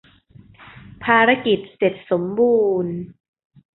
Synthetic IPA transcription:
pʰaː˧ɾa˧˥ki˨˩t̪̚se˨˩t̪̚so˩˦mbuː˧n

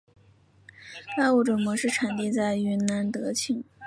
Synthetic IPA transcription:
la˥˧u˥˩ʈ͡ʂə˨˩mwɔ˧˥ʂɻ̩˥˩ʈ͡ʂʰa˨˩nt̪i˥˧t͡sa˥˩ɪy˧˥na˧˥nt̪ɤ˧˥t͡ɕʰi˥˩˥ŋ

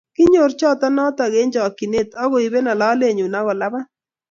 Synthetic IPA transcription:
kɪ˦ɲo˨ɾt͡ʃɔ˦tɔ˦nɔ˦ta˨ɣe˦ɲd͡ʒɔ˨ki˨ne˦˨tɔ˦ɣo˨i˨be˦na˨la˦le˦˨ɲu˨na˦ɣɔ˨la˦ba˦

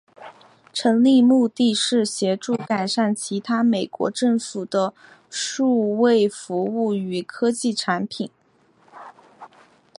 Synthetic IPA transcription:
ʈ͡ʂʰɤ˧˥ŋli˥˧mu˥˧t̪i˥˧ʂɻ̩˥˩ɕjɛ˧˥ʈ͡ʂu˥˩ka˨˩ɪʂa˥˩nt͡ɕʰi˧˥t̪ʰa˥me˨˩ɪkwɔ̰˧˥ʈ͡ʂɤ˥˩ŋfu˨˩d̪̥ə˦ | ʂu˥˧we˥˩ɪfu˧˥u˥˩y˧˩kʰɤ˥t͡ɕi˥˩ʈ͡ʂʰa˧˥npʰi˨˩˦n

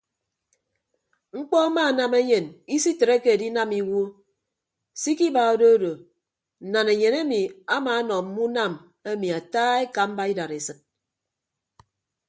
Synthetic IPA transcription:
ŋ͡m̩˦k͡pɔ˦a˦ma˦˨na˨me˦ɲe˨ni˦si˦te˨ɾe˦ke˦e˨di˦na˦mi˦wo˦ | si˦ki˦ba˨o˦do˦do˨ | n̩˨na˨ne˨ɲe˨ne˦mi˨a˦maː˨˦nɔ˨m̩˦mu˦na˦˨m | e˦mi˨a˨taː˦e˦ka˨m̩˦ba˦i˦da˨ɾe˨sɨ˦t̚

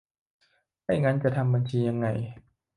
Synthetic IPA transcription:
ha˥˩jŋa˦˧˥nt͡ɕa˨˩t̪ʰa˧mba˧nt͡ɕʰiː˧ja˧ŋːa˧˩j

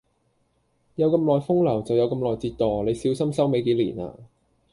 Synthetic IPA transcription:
jɐ˨˧wkɐ˧mlɔː˨jfʊ˥ŋlɐ˨˩wt͡sɐ˨wjɐ˨˧wkɐ˧mlɔː˨jt͡siː˧t̚t̪ɔː˨˩le˨˧jsiː˨˥wsɐ˥msɐ˥wme˨˧jke˨˥jliː˨˩na̰ː˧

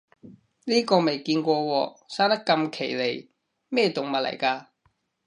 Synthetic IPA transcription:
liː˥kɔː˧me˨jkiː˧nkʷɔː˧wɔː˧saː˥nt̪ɐ˥kːɐ˧mkʰe˨˩jle˨˩j | mɛː˥˩t̪ʊ˨˩ŋmɐ˨t̚lɐ̰˨˩jkaː˧

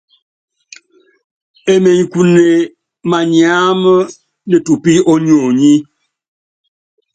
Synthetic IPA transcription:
e˨me˨ŋ˨ku˨ne˨ | ma˨ɲi˨a˦m˦ | ne˨tu˨pi˦ɔ˦ɲ˦o˨ɲi˦

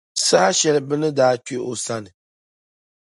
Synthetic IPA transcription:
sa˦ʃɛ˨lɨ˨bɨ˦nɨ˦daː˦te˦ʔo˨sa˦nɨ˨

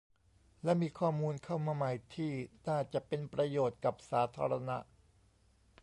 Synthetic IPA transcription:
lɛ˦˥miː˧kʰɔː˥˩muː˧nkʰa˥˩wmaː˧ma˨˩jt̪ʰiː˥˩naː˥˩t͡ɕa˨˩ʔpe˧npɾa˧joː˨˩t̪̚ka˨˩p̚saː˩˦t̪ʰaː˧ɾa˧na̰˦˥ʔ

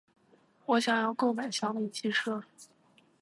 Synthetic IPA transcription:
wɔ˧˥ɕjɑ˨˩ŋjɑ˥˧ʊko˥˩ʊma˨˩ɪɕjɑ˧˥ŋli˥˩t͡ɕʰi˥˧ʂɤ˥˩

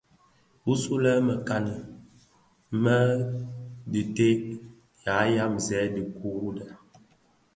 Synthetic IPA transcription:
bu˦su˦lɛ˦mə˨ka˨nə˨˦ | mə˦ | di˨te˦ | ja˨˦ja˦mzɛ˨˦di˨ku˦ɾu˦dɛ˨

